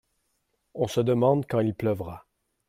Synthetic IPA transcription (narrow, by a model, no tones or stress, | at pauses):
ɔ̃səd̪əmɑ̃d̪kɑ̃ilplœvʁa